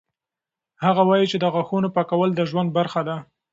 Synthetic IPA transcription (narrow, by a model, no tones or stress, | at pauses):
haɣawɑjit͡ʃed̪əɣaxonopɑkawəld̪əʒwand̪̚baɾxad̪a